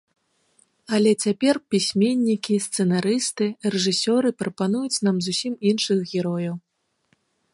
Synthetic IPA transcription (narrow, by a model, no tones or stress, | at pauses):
ɐlʲɛt͡sʲapʲɛrpʲisʲmʲenʲːikʲist̪sɛnaɾɨst̪ɨrɛʐɨsʲɔɾɨpɾɐpanujut͡sʲnamzusʲiminʂɨxɣʲɛɾɔjɐw